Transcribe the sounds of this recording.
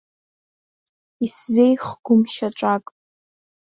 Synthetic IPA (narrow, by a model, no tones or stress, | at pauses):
iszejχɡ̥ʷʊmʃaʈ͡ʂʷʼakʼ